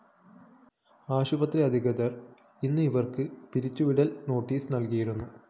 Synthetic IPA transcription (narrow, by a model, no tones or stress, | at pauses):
aːɕubɐt̪riɐd̪ʱiɣɐd̪ɐr | inːɨiʋɐrkɨpiɾit͡ɕːuʋiɽɐlno̞ːʈːiːsnɐlkijiɾunːu